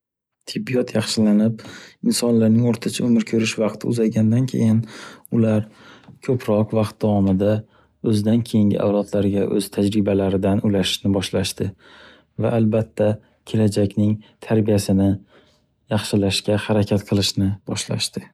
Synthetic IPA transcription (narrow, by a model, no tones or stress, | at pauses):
t̪ʰɪbːijɒt̪ʰjɑχʃɪlanɪp̚ɪnsɒnlaɾnɪŋoɾt̪ʰat͡ʃʰaɵmɪɾkʲʰɵɾɪʃvɑqt̪ʰɪʊ̰zaɡʲand̪ankʲʰḛjɪnʊlaɾkʲʰɵpʰɾɒqvɑqt̪̚d̪avɒmɪd̪a | ɵzd̪ankʲʰe̞jɪŋɡʲɪ̰ʔa̰wlˠɒt̪ʰlaɾɪɡʲaʔɵ̰z̥t̪ʰad͡ʒɾɪbalaɾɪd̪anʊlaʃɪ̥ʃnɪbɒʃlaʃt̪ɪ | va̰ʔːlbat̪ʰːa | kʲʰe̞lad͡ʒakʲnɪŋt̪ʰaɾbijasɪnɪ | jɑχʃɪlaʃkʲahaɾakʲʰat̪qʰɨlˠɪʃnɪbɒʃla̰ʃt̪ɪ